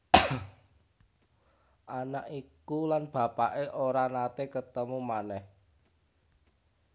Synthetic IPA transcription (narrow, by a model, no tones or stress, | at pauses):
ʔanaʔikulanb̥ä̤paʔeʔoɾanat̪ekət̪əmumanɛh